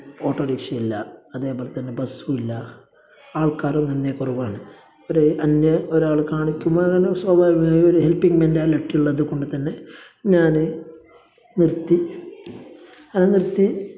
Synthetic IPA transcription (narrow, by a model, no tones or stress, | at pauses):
o̞ːʈːɐɾiːkʂɐilːɐɐðe̞ːbo̞ːle̞t̪ɐnːe̞bɐsuilːɐ | aːɭkaːɾumnɐnːekoruʋaːɳɨ | oɾuɐnːɐoɾaːɭkaːɳikʲːumːoɐŋːɐneswɐːbʱaːjimaːjoɾuɦelpːiŋɡmendaːleʈːiuɭːɐðuko̞ɳɖut̪ɐnːe̞ | ɲaːnɨ | nirt̪ːi | anenirt̪ːi